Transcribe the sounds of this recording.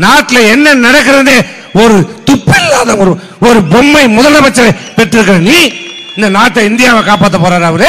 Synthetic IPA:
naːʈːɪlɐɛnːɐnɐɽɐk̬ːɪɾɐneː | ɔɾɯt̪ʊpːɪlːaːðɐɔɾɯ | ɔɾɯbɔmːɐɪmɔðɐlːɐpɐt͡ʃːɐpɛʈːɪɾɯk̬ːɐɾɐniː | ɪnd̪ɐnaːʈːɐɪnd̪ɪjaːʋɐkaːpaːt̪̬ːɐpoːɾaːɾɐʋɐɾɯ

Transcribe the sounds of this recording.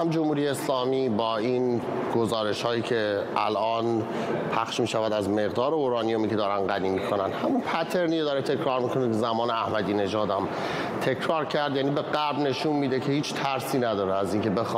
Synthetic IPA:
æmd͡ʒomhuːɾijeːslɒːmiːbɒːin | ɡ̥ozɒːɾe̞ʃhɒːjiːcʰe̞ʔæ̰lʔɒːn | pʰæxʃmiːʃævæd̪æzme̞ɣd̪ɒːɾeoɾɒːnijo̞miːcʰe̞d̪ɒːɾænɢæniːmiːkʰonænhæmunpʰæt̪ʰe̞ɾniːd̪ɒːɾet̪ʰe̞cʰɾɒːɾmiːkʰonekezæmɒːneæhmæd̪iːne̞ʒɒːd̪æm | t̪ʰe̞cʰɾɒːɾcʰæɾd̪jæːnibe̞ɢæɾbne̞ʃunmiːd̪ecʰe̞hiːt͡ʃʰt̪ʰæɾsiːnæd̪ɒːɾeæziːŋcʰe̞bex

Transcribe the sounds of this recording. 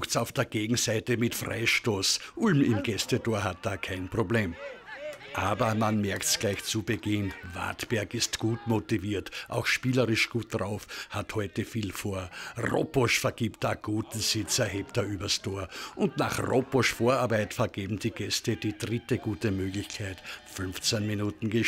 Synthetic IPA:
xtsaʊfd̥eːɐɡ̥eːɡŋ̩zaɪtəmɪtfʁa̰ɪʃtoːsʔʊlmɪmɡ̥ɛstətʰoːɐɦat̚d̥aːkʰaɪnpʁ̥obleːm | ʔaːbɐmanmɛɐktsɡ̥læɪçt͡subəɡɪnva̰ɐtb̥ɛɐkɪstɡ̥uːtmotiviːɐtʔa̰ʊxʃpiːləʁɪʃɡ̥uːt̚d̥ʁaʊfhathɔʏtəfiːlfoːɐʁo̰pɔʃfɛɐɡ̥iːpt̚d̥aːɡ̥uːtn̩z̥ɪt͡sɐɦeːp̚t̚d̥aːʔyːbɐstʰoːɐʔʊndna̰χʁopɔʃfoːɐaːɐbaɪtfɛɐɡeːbm̩d̥iːɡ̥ɛstədiːdʁɪtəɡ̥uːtəmøːɡlɪçkʰaɪtfʏnft͡sɛnminuːtn̩ɡə

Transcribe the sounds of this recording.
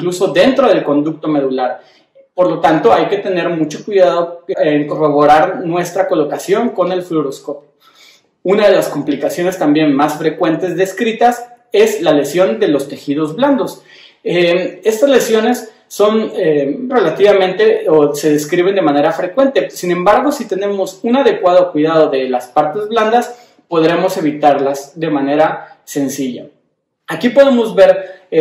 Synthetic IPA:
ŋkluso̞ðe̞nt̪ɾo̞ð̞e̞lko̞nd̪uk̚t̪o̞me̞ð̞ulaɾ | po̞ɾlo̞t̪ant̪o̞ajke̞t̪e̞ne̞ɾmut͡ʃo̞kwiðaðo̞eŋko̞ro̞β̞o̞ɾaɾnwe̞st̪ɾako̞lo̞kasjo̞ŋko̞ne̞lfluɾo̞sko̞pjo | unaðe̞lasko̞mplikasjo̞ne̞st̪ambje̞nmasfɾe̞kwe̞nt̪e̞zðe̞skɾit̪as | e̞zlale̞sjo̞nd̪e̞lo̞st̪e̞xið̞o̞zβland̪o̞s | ee̞st̪azle̞sjo̞ne̞sː | o̞nere̞lat̪iβamẽ̞nt̪eose̞ðe̞skɾiβ̞e̞nd̪e̞mane̞ɾafɾe̞kwe̞nt̪e̞sinẽ̞mbaɾɣ̞o̞sit̪e̞ne̞mo̞sunaðe̞kwað̞o̞kwiðað̞o̞ðe̞laspaɾt̪e̞zβland̪as | po̞ðɾe̞mo̞se̞β̞it̪aɾlasðe̞mane̞ɾase̞nsiʝa̰ | akipo̞ðe̞mo̞zβe̞ɾ

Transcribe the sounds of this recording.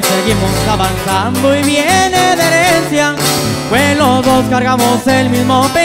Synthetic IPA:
seɣimosaβansand̪oiβjeneðeɾeensja | kwelozðoskaɾɣamoselmizmope

